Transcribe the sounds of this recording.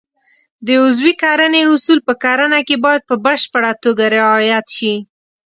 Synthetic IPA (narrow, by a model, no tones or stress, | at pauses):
d̪əʊzwikɑɾəneʊsulpəkɑɾənakebɑjad̪̚pəbəʃpaɽat̪oɡaɾɪɑjat̪ʃi